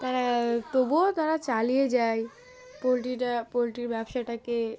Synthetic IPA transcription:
t̪aɾat̪obot̪aɾat͡ɕalijed͡ʑaj | polʈiʈapolʈiɾbɛbʃaʈake

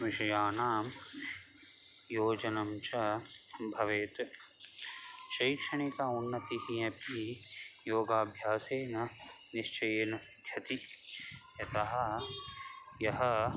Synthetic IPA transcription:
ʋɪʃɐjaːnaːm | joːd͡ʒɐnɐmt͡ʃɐbʱɐʋeːt̪ | ʃɐjkʂɐɳ̃ikaːunːɐt̪iɦijɐpijoːɡaːbʱjaːseːnɐ | niʃt͡ʃɐjeːnɐsd̪ʱjɐt̪i | jɐt̪ɐɦɐ̆ | jɐɦɐ̆

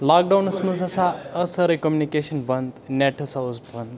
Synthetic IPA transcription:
lak̚ɖawnəsməzəsaəsəɾikɔmjunikeɕənbənd̪nɛʈʰosawsbənd̪

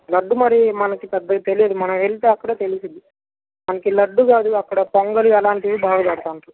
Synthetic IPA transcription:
lɐɖːumɐɾimɐnɐkipɛd̪ːɐɡat̪elijɐd̪umɐnɐmʋeɭit̪eɐkːɐɽɐt̪e̞lisind̪i | mɐnɐkilɐɖːuɡaːd̪uɐkːɐɽɐpɐŋɡɐliɐlaːɳʈiʋibʱaːɡɐpɐɽɐt̪aːɳʈu

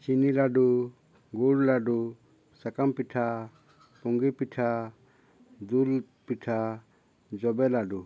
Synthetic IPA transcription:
t͡ʃinilaɖu | ɡuɽlaɖu | sakampiʈʰa | pɔŋɡipiʈʰa | d̪ul | piʈʰa | d͡ʒɔbɛlaɖu

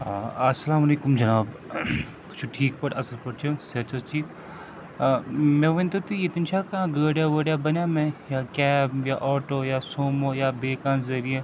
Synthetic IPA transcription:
ɐsːɐlaːmɐleːkumd͡ʒɐnaːb | t̪ʊ̥t͡ʃʰuʈʰiːk̚pɐʈɐsəlpɐɽt͡ʃʰusɐt͡ʃʰɐt͡ʃiː | mẽʋɐ̃nt̪ot̪iɪt̪int͡ʃʰakɐãɡəːɽjaʋəːɽjabɐnjaːmẽjaːkɛːbjaʔɔːʈoːjaːsoːmoːjaːbeːkãːnzɐɾie

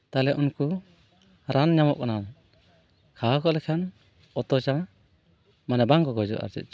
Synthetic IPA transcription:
t̪alɛʔunku | ɾʔanɲamɔʔ̚kanan | kʰakʰɔlɛkʰan | ɔt̪ɔt͡ʃa | manabaŋkɔɡɔd͡ʒɔ̰ʔa̰ɾd͡ʒɛ̰t̚t͡ʃ

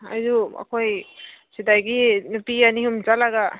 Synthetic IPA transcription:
ajzua̰kʰojsidajɡinupianiɦumd͡ʒalaɡa

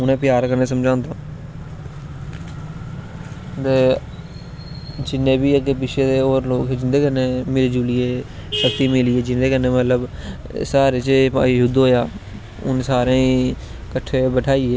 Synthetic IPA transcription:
ʊnẽːpɪjaːɾkəɾneːsəmd͡ʒãːnd̪aː | t̪eː | d͡ʒɪnːẽːbiːəɡeːpɪʃʰeːd̪eːoːɾloːkd͡ʒɪnd̪eːkənẽːmeːɾeːd͡ʒuːlieː | ʃəkt̪iːmɪliːeːd͡ʒɪnd̪eːkənːẽːmət̪ləb | saːɾeːt͡ʃpaɦʊd̪ɦoːjaː | ʊ̰nsaːɾẽːi | kəʈʰːeːbəʈʰaːieː

